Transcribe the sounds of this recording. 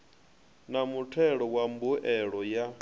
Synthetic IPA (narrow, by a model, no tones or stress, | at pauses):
namutʰɛɺɔwambuʔɛɺɔja